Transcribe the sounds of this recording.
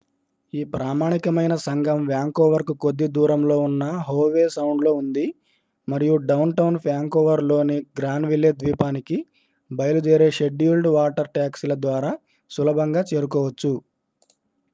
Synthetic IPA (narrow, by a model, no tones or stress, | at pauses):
iːpɾaːmaːɳikɐmɐjnɐsɐŋɡʱɐmʋjaːŋkoːʋɐɾkukod̪ːid̪uːɾɐmlo̞ːunːɐɦoːʋeːsɐwɳɖlo̞ːund̪i | mɐɾijuɖɐwnʈɐwnpʰjaːŋkɔːʋɐɾlo̞ːniɡɾaːnʋilːed̪ʋiːpaːniki | bɐjɐlud͡ʒeːɾe̞ːʃe̞ɖːuːlɖʋaːʈɐɾʈaːkslɐd̪ʋaːɾaː | sulɐbʱɐŋɡaːt͡ʃeːɾukɔːʋɐt͡ʃːu